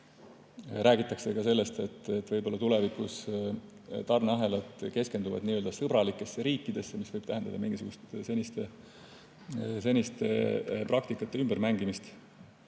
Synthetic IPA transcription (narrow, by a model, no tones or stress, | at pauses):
ræːɡit̪ːˑɑkse̞kɑse̞lːe̞st̪et̪ːet̪ːvɤjbo̞lːɑt̪ule̞vikus | t̪ɑrneɑɦe̞lɑt̪ˑke̞ske̞nd̪uvɑ̰d̪niːø̞ld̪ɑsɤbɾɑlikːˑe̞sːeɾiːkːˑid̪̥e̞sːemisvɤjb̥t̪æɦend̪ɑ̰d̪ɑminŋɡisuɡust̪senʲist̪e | se̞nʲist̪e̞̰prɑkt̪ikːˑɑt̪ːe̞ymb̥eɾmæŋɡimist̪